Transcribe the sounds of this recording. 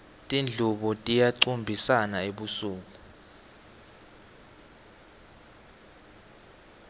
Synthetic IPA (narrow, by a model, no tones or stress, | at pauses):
tʼind͡ɮʱuɓɔtʼijaǀumbʱisanaeɓusuːk̬ʼu